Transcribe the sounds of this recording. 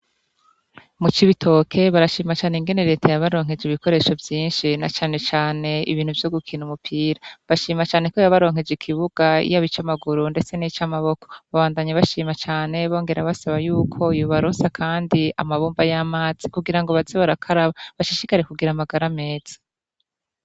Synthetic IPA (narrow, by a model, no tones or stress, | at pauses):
mut͡ʃiβitʰo̞kʰe̞βaɾaʃiːmat͡ʃaːneŋɡe̞ne̞ɾe̞ːtʰajaβaɾo̞ːŋ̥e̞d͡ʒiβiko̞ɾe̞ːʃo̞vjiːnʃinat͡ʃaːne̞t͡ʃaːne̞ḭβiːn̥huvjo̞ɡukʰinumupʰiːɾaβaʃiːmat͡ʃaːne̞ko̞jaβaɾo̞ːŋ̥e̞d͡ʒikʰiβuɡ̥aḭjaβit͡ʃamaɡuɾunde̞t͡se̞nit͡ʃamaβo̞ko̞̥βaβaːndaɲaβaʃiːmat͡ʃaːne̞βo̞ːŋɡe̞ɾaβasaβajuːkʰo̞juβaɾoːnsakʰaːndiamaβuːmbajamaːz̥i̥kuɡiɾaŋɡo̞βazeβaɾakʰaɾaβaβaʃiʃikaɾe̞kuɡiɾamaɡaɾame̞ːz̥ḁ